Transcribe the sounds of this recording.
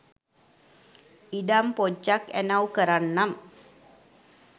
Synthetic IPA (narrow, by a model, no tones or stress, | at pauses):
iɖampod͡ʒːakæ̰nawkəɾanːam